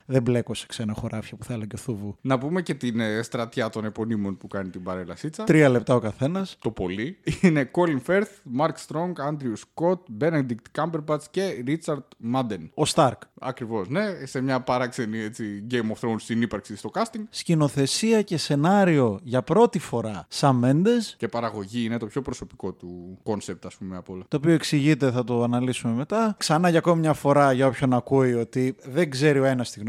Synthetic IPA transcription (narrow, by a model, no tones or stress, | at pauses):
ðe̞mble̞ko̞se̥kse̞nɐxo̞ɾɐfçɐpu̥θɐelɐɟeθovunɐpume̞ce̞t̪inst̪ɾɐt̪çɐt̪o̞nepo̞nimo̞npukɐnit̪imbɐɾe̞lɐsit͡sɐt̪ɾiɐle̞p̚t̪ɐo̞kɐθe̞nɐst̪o̞po̞liine̞ko̞linfeɾθmɐɾkst̪ɾo̞ŋɡɐnd̪ɾiusko̞t̪̚benɐnd̪ikt̪kɐmbeɾbɐt͡sce̞ɾit͡sɐɾd̪mɐd̪eno̞st̪ɐɾkɐ̰kɾivo̞sne̞se̞mɲɐpɐɾɐkse̞niet͡siɟejmofθɾounst̪inipɐɾksist̪o̞kɐst̪iŋɡscino̞θe̞siɐce̞se̞nɐɾio̞ʝɐpɾo̞t̪ifo̞ɾɐsɐme̞nd̪e̞sce̞pɐɾɐɣo̞ʝiinet̪o̞pço̞pɾoso̞piko̞t̪uko̞nsep̚t̪ɐspumeɐpolɐt̪o̞ːpio̞e̞ksiʝit̪̬e̞θɐt̪o̞ɐnɐlisume̞me̞t̪ɐksɐnɐʝɐko̞mimɲɐfo̞ɾɐʝɐo̞pço̞nɐkujo̞t̪iðe̞ɡze̞ɾio̞e̞nɐst̪iɣno